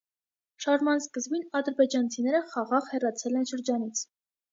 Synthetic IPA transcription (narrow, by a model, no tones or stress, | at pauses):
ʃɑɾmɑnskəzbinɑd̪əɾbɛd͡ʒɑnt͡sʰinɛɾəχɑʁɑʁhɛrɑt͡sʰɛlɛnʃəɾd͡ʒɑnit͡sʰ